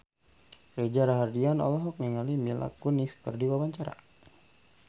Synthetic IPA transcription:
red͡ʒaɾaɦardianɔ̰lɔɦɔk̚niŋalimila̰kuniskɨrdiwabaɲt͡ʃaɾa̰

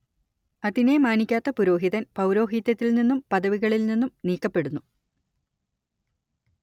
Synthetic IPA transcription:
ɐðine̞maːnikʲːaːt̪ːɐpuɾo̞ːɦiðɐnpɐwɾo̞ːɦit̪ːɐt̪ːilninːumpɐðɐʋiɣɐɭilninːumniːkːɐpːe̞ɽunːu

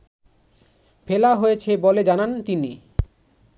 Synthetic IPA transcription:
felaɦojet͡ɕʰeboled͡ʑanant̪ini

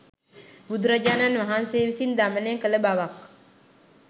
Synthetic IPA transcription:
bud̪uɾad͡ʒananmaɦansewisind̪amaneŋkəlebawak

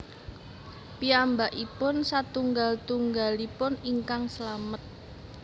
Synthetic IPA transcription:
piambaʔipʊnsat̪uŋɡalt̪uŋɡalipʊniŋkaŋsəlamət̪̚

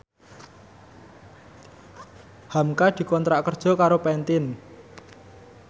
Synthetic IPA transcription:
hamkad̪̥i̤kɔnt̪ɾaʔkərd̥ʒ̥ɔ̤kaɾopɛnt̪ɪn

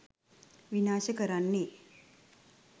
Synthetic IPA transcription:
ʋinaːʃəkəɾanːe

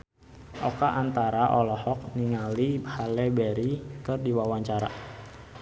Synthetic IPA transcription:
ʔɔkaʔant̪aɾaʔɔlɔhɔk̚niŋalihalɛbɛɾikɨrdiwawaɲt͡ʃaɾa

